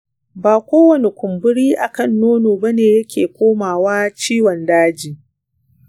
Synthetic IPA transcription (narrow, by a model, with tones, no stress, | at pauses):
baː˨kʷoː˦wɐ˨ne˨kʷʊ˨mbʊ˦ɽiː˦ʔa˨kɐ˦˨nːoː˦noː˨bɐ˦neː˨jɐ˦kʲʰeː˨kʷoː˦maː˨waː˦t͡ʃiː˦wɔ˨ndaː˦d͡ʒiː˨